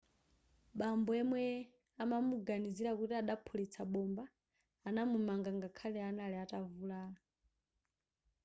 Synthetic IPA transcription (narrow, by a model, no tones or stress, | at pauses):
ɓambɔɛmwɛ | amamuɡaniziɾakutiaɗapʰulit͡sʰaɓɔmbaː | namumaŋɡaŋɡakʰalɛanalɛatavulaː